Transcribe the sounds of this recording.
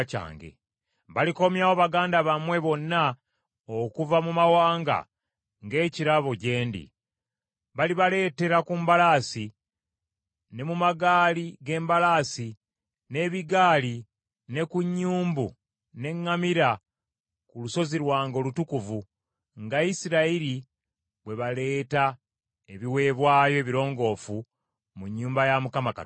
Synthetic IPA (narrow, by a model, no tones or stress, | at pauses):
ca̰ːŋɡḛ | βaliko̞mjawo̞βaɡaːndaβamwe̞βo̞nːa | okuvamumawaːŋɡa̰ | ŋɡe̞ːciɾaβo̞ɟe̞ːndḭ | βaliβale̞ːte̞ɾakumbalaːsi | ne̞mumaɡaːliɡe̞ːmbalaːsi | ne̞ːβiɡaːli | ne̞kuɲːuːmbu | ne̞ŋːamiɾa | kuluso̞ziɾwaːŋɡo̞lutukuvu | ŋɡaisiɾaiɾi | βwe̞βale̞ːta | eβiwe̞ːβwaːjo̞eβiɾo̞ːŋɡo̞ːfu | muɲːuːmbajamukamaka̰